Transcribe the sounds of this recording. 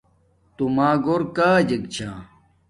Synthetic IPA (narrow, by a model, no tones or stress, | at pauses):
t̪umaːɡoɾkaːd͡ʑɐɡt͡ɕʰãː